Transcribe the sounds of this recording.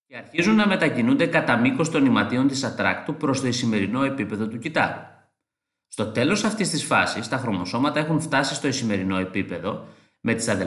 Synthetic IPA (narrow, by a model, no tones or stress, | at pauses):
eɐɾçizunːɐme̞t̪ɐcinund̪e̞kɐt̪ɐmiko̞st̪o̞nimɐt̪io̞nt̪isɐt̪ɾɐ̰kt̪upɾo̞st̪o̞isime̞ɾino̞e̞pipe̞ðo̞t̪ucit̪ɐ̰ɾu | st̪o̞t̪e̞lo̞sɐft̪ist̪isfɐ̰sist̪ɐxɾo̞mo̞so̞mɐt̪ɐe̞xuɱft̪ɐsist̪o̞isime̞ɾino̞e̞pipe̞ðo̞ | me̞t̪i̥sɐðe